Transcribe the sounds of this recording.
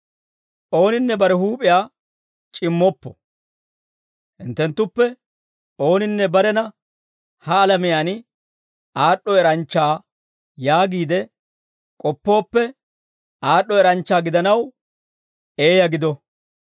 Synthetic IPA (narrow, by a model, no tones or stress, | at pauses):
ʔo̞ːnɪnːɛbɐɾɛhuːpʼɪjaː | t͡ʃʼɪmːɔpːɔ | hɪnt̪ːɛnt̪ːʊpːɛ | o̞ːnɪnːɛbɐɾɛnɐ | hɐːlɐmɪjaːn | aːɗːɔɛɾɐnt͡ʃːaː | jaːɡiːd̪ɛ | kʼɔpːo̞ːpːɛ | ʔaːɗːɔɛɾɐnt͡ʃːaːɡɪd̪ɐnɐw | e̞ːjɐɡɪd̪ɔ